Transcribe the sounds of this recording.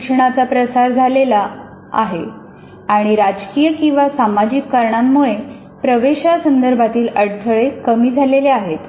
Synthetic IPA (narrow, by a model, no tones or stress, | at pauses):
ʂəɳ̃at͡sapɾəsaɾd͡zʱalela | a̰ɦe | aɽ̃iɾad͡ʑkiːjəkĩw̃ʋasamad͡ʑikːaɾɳamːuɭe | pɾəʋeɕasənd̪əɾbʱat̪iːləɽt̪ʰəɭekəmiːd͡zʱaleleaɦet̪